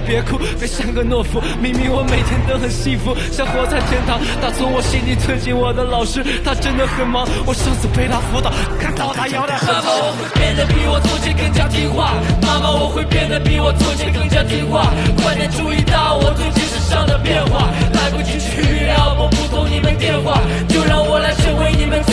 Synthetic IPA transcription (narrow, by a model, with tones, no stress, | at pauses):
pjɛ˧˥kʰu˥˩pe˥ɪʂa˥˩nɡə˨˧nwɔ˥˩fu˧˥mi˧˥ŋmi˧˥ŋwɔ˧˦me˨˩ɪt̪ʰjɛ˥nt̪ə˥xə˨˩nɕi˥˩ŋfu˧˥ɕjɑ˥˩ŋxwɔ˧˥t͡sa˥˩ɪt̪ʰjɛ˥nt̪ʰɑ˧˥ŋt̪ʰa˥t͡sʰʊ˧˥ŋwɔ˨˩ɕi˥˩nli˨˩t͡s̪ʰwə˥nɕi˧˥˩ŋwɔ˨˩d̪ə˦lɑ˨˩ʊʂɻ̩˥t̪ʰa˥ʈ͡ʂə˥nd̪ə˨xə˨˥˩nmɑ˧˥ŋwɔ˨˩ʂɤ˥˩ŋsɹ̩˨˩pʰe˥ɪt̪ʰa˥˩fwɔ˧˥t̪ɑ˥˨˩ʊkʰa˥˧nt̪ɑ˥˧ʊt̪ʰa˥jɑ˥˧ʊt̪a˧˩a˥ma˥˨˥wxwe˥˧pjɛ˥˧nd̪ə˨˩pi˧˨˩wɔ˨˩t͡so˥˧t͡ɕi˥nkə˥˧ŋt͡ɕja˥˧t̪i˥xwa˥˩ma˥˧ma˨wɔ˨˩xwe˥˧ɪpjɛ˥˩nd̪ə˩pi˧˥wɔ˨˩t͡sɔ˥t͡ɕɛ˥˩kə˥˧ŋt͡ɕja˥˧t̪i˥˩xwa˥˩kwa˥t̪ə˧˥nʈ͡ʂu˥˧i˧˥t̪ɑ˥˩ʊwɔ˨˩t̪ʰʊ˥ŋt͡ɕi˥ʂɻ̩˥ʂɑ˥˩ŋd̪ə˨pjɛ˥˧nxwa˥˩la˧˥ɪpu˧˩t͡ɕi˥t͡ɕʰi˥˩ljɑ˥˩ʊwɔ˨˧˥pu˧˥t̪ʰʊ˥ŋni˨˩mə˧˦nt̪jɛ˥˧nxwa˥˩ | t͡ɕjo˥˧ʊɻɑ˥˩ŋwɔ˨˩la˧˥ɪʂə˥ŋwe˧˥ɪni˨˩mə˦n